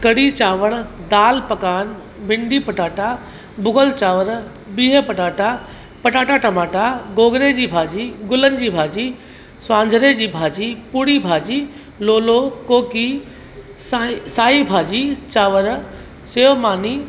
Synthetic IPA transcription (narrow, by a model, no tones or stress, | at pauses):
kɐɽit͡ɕaːʋəɽ̃d̪aːlpɐkaːn | bɪɳɖiːpɐʈaːʈa | bʊɡəlt͡ɕaːʋəɾ | biːɦəpɐʈaːʈa | pɐʈaːʈaʈɐmaːʈaɡoːɡɾed͡ʑiːbʱaːd͡ʑiːɡʊlən̆d͡ʑiːbʱaːd͡ʑiː | sʋãːɲd͡ʒʱəɾed͡ʑiːbʱaːd͡ʑipuɽibʱaːd͡ʑiː | loːlokoːki | sasaːibʱaːd͡ʑit͡ɕaːʋəɾ | seːʋmaːniː